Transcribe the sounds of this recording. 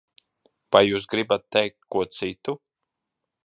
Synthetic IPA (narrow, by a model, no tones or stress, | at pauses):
vajːuːsɡɾibat̪̚ːɛjk̚t̪̚kːuɔt̪sit̪u